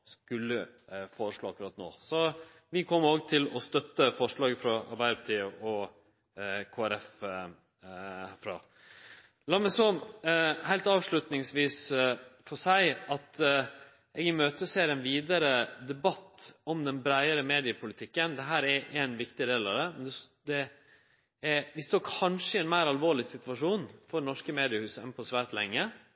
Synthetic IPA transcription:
skʉlːəfoːɾəʂɭɑːɑkʉɾɑːt̪no̰ːsɔ | ʋɪkʰɔmːəoːɡt̪ʰɪlɔst̪œt̪ːəfɔʂɭɑːɡəfɾɑɑ̰ɾbæɪɾəpʰɑ̥t̪ʰiːəʔɔ | kʰoːæɾɛf | fɾɑ | lɑːɾmæɪsɔ | hæɪlt̪ɑːʋʂɭʉt̪nɪŋsʋiːsfɔʂæɪɑt̪ | ɛːɡɪmøːt̪əseːɾɛnʋiːd̪əɾəd̪ɛbɑt̪ːɔmd̪ɛnbɾæɪəɾəmeːd̪ɪəpʰʊlɪt̪ʰɪkːənd̪ɛɦæːɾɛʔɛnʋɪkt̪ɪɾeːɑ̰d̪ɛmɛnd̪ɛd̪ɛ | ɛʋɪst̪oːkʰɑnʂəɪɛnmæɪɾɑlʋoːɭɪsɪt̪ʋɑʂuːnfɔɾnɔʂkəmeːd̪ɪəhʉːsəɛ̰npʰɔsʋæːɾt̪lɛŋːə

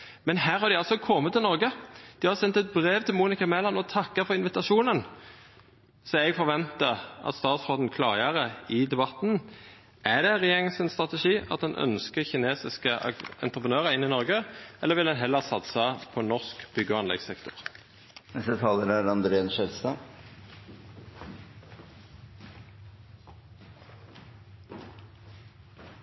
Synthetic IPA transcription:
mɛnhæːɾhɑɾd̪ɪɑlsɔkʰɔmːət̪ʰːɪlnɔɾɡəd̪̥ɪhɑʁsɛnt̪ɛt̪̚bʁeːʋt̪ʰɪlmuːnɪkɑmɛlɑnɔt̪ʰɑkːəfɔɾɪnʋɪt̪ɑʂuːnən | sɔɛɡfɔɾʋɛnt̪əʔɑ̰t̪st̪ɑːt̪sfoːd̪n̩kʰlɑ̰ːʁəʁəɪd̪ɛbɑt̪n | ʔæd̪ɛʁɛjeːʁɪŋəsənst̪ʁɑt̪ɛʂiːɑ̰t̪̚d̪ɛnʔœ̰nskəçɪneːsɪskə̰ɛ̰nt̪ʁəpʁənøːʁəɪnːɪnɔʁɡəʔɛlːəʋɪld̪ɛnɦɛlːəɑʁsɑt̪sɑpʰɔnɔʁskb̥ʏɡəɑnlɛ̰ɡsɛkt̪ʊʁ | nɛst̪ət̪ʰɑːləɾæɾɑnd̪ɾeːɛnʃɛlst̪ɑː

